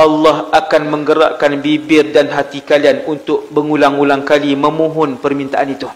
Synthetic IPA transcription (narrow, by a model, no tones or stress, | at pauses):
alːɑhakanmə̃ŋɡəɾa̰ʔkanbibɪrdanɦat̪ikalianunt̪ʊʔ̚bəŋulaŋulaŋkalimə̃mũɦʊnpərmint̪aʔanit̪u